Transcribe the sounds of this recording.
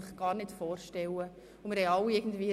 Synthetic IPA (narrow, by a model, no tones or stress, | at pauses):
ɪχɡ̥ɑːɾnɪtfɔːɾʃtɛwə | ʊmɪɾhɛɪɑwɪɡn̩dviː